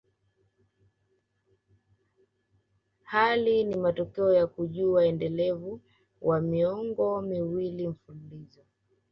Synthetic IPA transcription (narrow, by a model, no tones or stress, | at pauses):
halinimatɔkɛɔjakuʄuaɛndɛlɛvu | wʔamiɔŋɡɔmiwilim̩fululizɔ